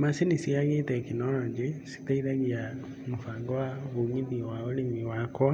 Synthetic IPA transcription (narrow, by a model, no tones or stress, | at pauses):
masenisiaŋetɛkinɔɾɔd͡ʒesi̥taiðaɣia | mofaɡɔwaɣoŋiðiwaoɾemiwak